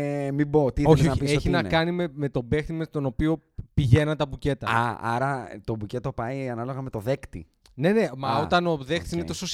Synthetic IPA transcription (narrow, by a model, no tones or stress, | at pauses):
mibot̪ioonɐieçinɐkɐnimeme̞t̪o̞be̞xt̪imest̪o̞no̞pio̞ | piʝe̞nɐnt̪ɐbuce̞t̪ɐɐ̰ɐ̰ɾɐt̪o̞buce̞t̪opɐianɐloɣɐme̞t̪o̞ðe̞kt̪ḭ | ne̞ne̞mɐot̪ɐno̞ðe̞xt̪i̥sinet̪o̞sos